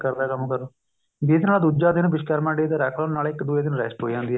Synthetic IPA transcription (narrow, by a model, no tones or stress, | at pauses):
kəɾd̪aːkəmkəɾ | bid̪naːd̪uːd͡ʒaːd̪ɪnbɪʃkɛːɾmãːɳɖiːt̪eːɾɛːkʰlənaːlɪkd̪uːeːd̪ɪnɾɛ̰ːsʈɦoːid͡ʒãːnd̪iːɛː